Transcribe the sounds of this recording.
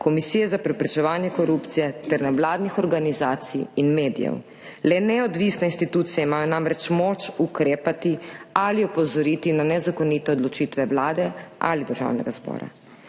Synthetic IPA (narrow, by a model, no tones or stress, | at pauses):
kʰɔmisijɛzapɾɛpɾɛt͡ʃɛʋaːnjɛkɔɾupt̪sijɛt̪ɛɾnɛʋlaːd̪nixɔɾɡanizaːt̪sḭjinmeːd̪ḭjɛ̰w | lɛnɛɔd̪ʋisnɛinst̪it̪uːt̪sijɛimaːjɔnamɾɛt͡ʃmoːt͡ʃukɾeːpat̪ialiɔpɔzɔɾiːt̪inanɛzakoniːt̪ɛɔd̪lɔt͡ʃit̪ʋɛʋlaːd̪ɛʔa̰lid̪əɾʒa̰ːwnɛ̰ɡazbɔ̰ːɾa̰